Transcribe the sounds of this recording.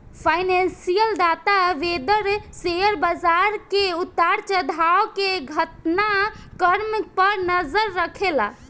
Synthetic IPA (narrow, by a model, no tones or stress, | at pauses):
pʰajnensijəld̪at̪aʋed̪əɾsejəɾbad͡ʒaɾkeut̪ːaɾt͡ʃəd̪ʱaokeɡʱət̪nakəɾm̚pəɾnəd͡ʒəɾːəkʰela̰